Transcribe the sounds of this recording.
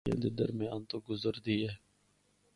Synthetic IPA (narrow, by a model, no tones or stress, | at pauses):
ḛd̪ed̪ə̰ɾmẽaːnt̪oɡʊzəɾd̪iːɛː